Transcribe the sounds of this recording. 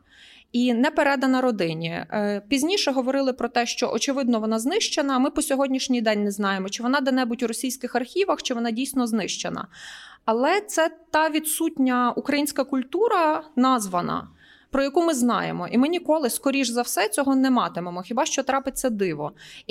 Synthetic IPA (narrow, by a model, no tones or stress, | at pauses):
inɛpeɾɛd̪ɐnɐɾɔd̪ɪnʲipʲizʲnʲiʃɛɦɔʋɔɾɪlˠɪpɾɔt̪ɛʃt͡ʃɔ̰ʔɔt͡ʃɪʋɪd̪nɔʋɔnɑznɪʃt͡ʃenɐmɪpɔsʲɔɦɔdʲnʲiʃnʲijd̪ɛnʲnɛznɑjemɔt͡ʃɪʋɔnɑd̪ɐnɛbutʲuɾɔsʲijsʲkɪxɐrxʲiʋɐxt͡ʃɪʋɔnɑdʲijsʲnɔznɪʃt͡ʃenɐ̰ɐlˠɛt̪sɛt̪ɑʋʲid̪sutʲnʲɐukɾɐjinʲsʲkɐkʊlʲt̪uɾɐnɑzʋɐnɐ̰ | pɾɔjɐkumɪznɑ̰jḛmɔʔimɪnʲikɔlˠɪskɔɾʲiʒzɐwsɛt͡sʲɔɦɔnɛmɑt̪ɪmemɔxʲibɑʃt͡ʃɔt̪ɾɑpɪt͡sʲːɐd̪ɪʋɔ̰